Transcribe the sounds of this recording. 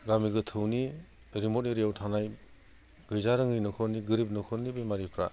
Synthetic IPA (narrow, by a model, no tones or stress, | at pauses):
ɡamiɡɯtʰɯwni | ɾimɔt̚niɾiawtʰanaj | ɡɯjzaɾɯŋɯjnɔkʰɔɾniɡɯɾip̚nɔkʰɔnibejmaɾipʰɾa̰